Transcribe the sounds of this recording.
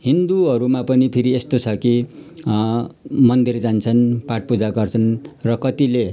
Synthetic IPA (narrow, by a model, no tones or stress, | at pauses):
ɦind̪uʌɾumapʌnipʰiɾiest̪ot͡sʰʌki | mʌnd̪ird͡zant͡sʰʌnpaʈ̚pud͡zaɡʌrt͡sʰʌnrʌkʌt̪ile